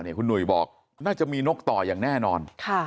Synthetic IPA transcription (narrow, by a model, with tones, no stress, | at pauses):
ni˥˩kʰu˧nːu˨˩əjbɔː˨˩k̚ | naː˥˩t͡ɕa˨˩miː˧no˦˥k̚t̪ɔː˨˩jaː˨˩ŋnɛː˥˩nɔː˧nkʰa˥˩